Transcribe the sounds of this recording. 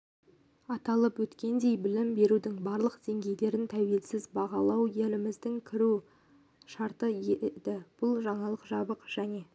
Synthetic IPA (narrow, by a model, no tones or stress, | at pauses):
ɑt̪ɑlˠəpwɵt̪kʲe̞nd̪e̞jbɪlɪmbe̞ɾud̪ɪŋbɑɾlˠəqd̪̥e̞ŋɡʲe̞jd̪e̞ɾɪnt̪ʰæwe̞lsɪzbɑʁɑlˠɑwje̞lɪmɪzd̪ɪŋkʲʰɪɾu | ʃɑɾt̪əjed̪ɪb̥ʊlˠʒɑɴɑlˠəqʒɑbəqʒ̥æne̞